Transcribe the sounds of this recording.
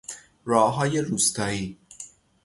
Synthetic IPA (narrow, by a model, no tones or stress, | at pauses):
ɾɒːɦɒːjeɾuːst̪ɒːiː